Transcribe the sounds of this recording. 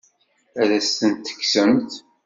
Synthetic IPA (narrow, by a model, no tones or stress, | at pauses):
æɾæst̪ənt̪ːə̥kːsəmt̪